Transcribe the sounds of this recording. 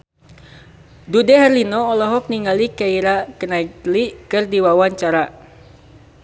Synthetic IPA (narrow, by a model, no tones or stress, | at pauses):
dudɛɦɛrlinɔːlɔɦɔk̚niŋɡalikaiɾakənaitlikɨrdiwawaɲt͡ʃaɾa